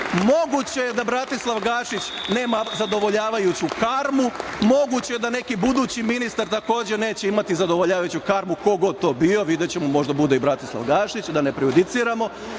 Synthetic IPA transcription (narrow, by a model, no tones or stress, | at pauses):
mo̞ɡut͡ɕe̞jed̪abɾat̪islˠaʋɡaːʃit͡ɕne̞ːmazad̪o̞ʋo̞ʎaːʋajut͡ɕukaːɾmumo̞ɡut͡ɕejed̪ane̞kibud̪uːt͡ɕiminist̪aɾt̪ako̞ːd͡ʑene̞ːt͡ɕeimat̪izad̪oʋoʎaːʋajut͡ɕukaɾmuko̞ɡo̞d̪̚t̪o̞ːbio̞ʋid̪jet͡ɕemomo̞ʒd̪abud̪e̞ibɾat̪islˠa̰ʋɡaːʃit͡ɕd̪ane̞pɾiud̪it̪siːɾamo̞